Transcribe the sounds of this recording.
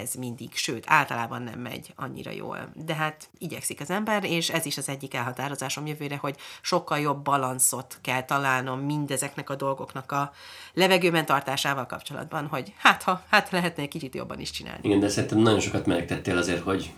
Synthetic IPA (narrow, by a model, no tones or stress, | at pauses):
ɛzmind̪iɡʃøːt̪ʰa̰ːlt̪ɒlaːbɒnːɛ̰mːɛ̰ɟɒ̰ɲːḭɾɒ̰jo̰ːld̪ɛɦaːt̪iɟɛ̰ksikɒzɛmbɛreːʃɛziʃɒzɛɟːikɛlɦɒt̪aːɾo̞zaːʃo̞mjøvøːɾɛho̞ɟʃo̞kːɒljo̞bːɒlɒnso̞t̪kɛlt̪ɒlaːlno̞mːind̪ɛzɛknɛkɒd̪o̞lɡo̞knɒkɒlɛvɛɡøːbɛnt̪ɒrt̪aːʃaːvɒlkɒpt͡ʃo̞lɒ̰d̪bɒnɦo̞ɟhaːt̪hɒhaːt̪hɒlɛɦɛt̪nɛkːit͡ʃit̪jo̰bːɒ̰niʃt͡ʃina̰ːliiɡɛnd̪ɛsɛɾint̪ɛmnɒɟo̞nʃo̞kɒt̪mɛɛk̚t̪ɛt̪ːeːlɒzeːrho̞ɟ